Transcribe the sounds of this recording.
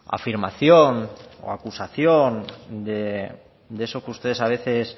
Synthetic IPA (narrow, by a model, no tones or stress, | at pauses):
a̰fiɾmaθjo̞no̰akusaθjo̞nd̪e | d̪eeso̞keust̪e̞ð̞e̞saβe̞θe̞s